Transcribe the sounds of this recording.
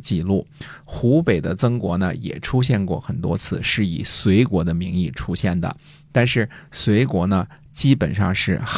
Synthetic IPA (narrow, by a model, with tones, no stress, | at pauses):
t͡ɕi˥˧lu˥˩ | xu˧˥pe˨˩ɪd̪ə˦t͡sɤ˥ŋkwɔ˧˥nə̰˧jɛ̰˨˩ʈ͡ʂʰu˥ɕjɛ˥˧nkwɔ̰˥˩xə˨˩nt̪wɔ̰˥t͡sʰɹ̩˥˧ʂɻ̩˥˩ḭ˨˩swe˧˥ɪkwɔ˧˥d̪ə˧mi˧˥ŋi˥˩ʈ͡ʂʰu˥ɕjɛ˥˩nd̪ə̰˩ | t̪a˥˧nʂɻ̩˥˩swe˧˥ɪkwɔ˧˥nə˧ | t͡ɕi˥pə˨˩nʂɑ̰˥˧ŋʂɻ̩˥˩